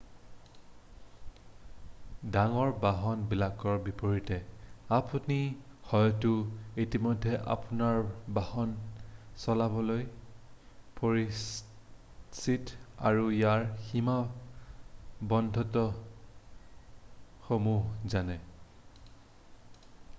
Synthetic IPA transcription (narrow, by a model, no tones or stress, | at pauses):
daŋɔɹbaɦɔnbilakɔɹbipoɹitɛapunixɔjtuitimɔjdʱːɛʔa̰punaɹbahɔnsɔlabɔloj | poɹis | sita̰ɹujaɹxima | bɔndʱɔtɔ | xomuɦzanɛ